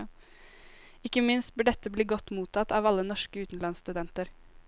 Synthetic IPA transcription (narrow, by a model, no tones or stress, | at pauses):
ɪkːəmɪnst̪̚bɪɖɛt̪ːəbliːɡɔt̪ːmuːt̪ʰɑt̪ɑːʋɑlːənɔʂkəʉːt̪n̩lɑnst̪ʉd̪ɛnt̪əɾ